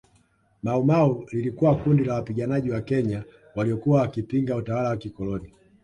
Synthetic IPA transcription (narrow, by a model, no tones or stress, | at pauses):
maumaulilikuwakundilawapiɡanaʄiwakɛɲa | waliɔkuwawakipiŋɡautawalawakikɔlɔni